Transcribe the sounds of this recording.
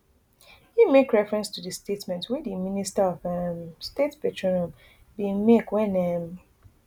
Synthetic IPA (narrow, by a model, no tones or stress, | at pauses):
himekɹɛfɹɛ̃nstʰudəstetmɛ̃ntwɛdiministaɔvəmstetpɛtʰɹonɔ̃m | bimekwɛ̃nɛm